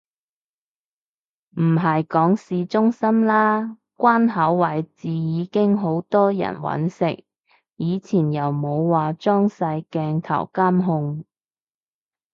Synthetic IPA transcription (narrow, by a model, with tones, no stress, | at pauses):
m̩˨˩ɦɐ˨jkɔː˨˥ŋsiː˨˧t͡ʃʊ˥ŋsɐ˥mlaː˥ | kʷaː˥nɦɐ˨˥wːɐ˨˩jt͡siː˨jiː˨˧kɪ˥ŋɦo˨˥wt̪ɔː˥jɐ̰˨˩nwɐ̰˨˥nsɪ̰˨k̚ | jiː˨˧t͡sʰiː˨˩njɐ˨wmo˨˧wːaː˨t͡ʃɔː˥ŋsɐ˧jkɛː˧ŋt̪ʰɐ̰˨˩wkaː˥mɦʊ˧ŋ